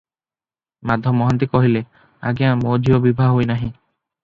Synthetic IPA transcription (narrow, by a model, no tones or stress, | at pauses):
mad̪ʱɔmːɔɦant̪ikɔɦile | a̰ɡeãmod͡ʒʱiobibʱaɦɦojnaɦĩ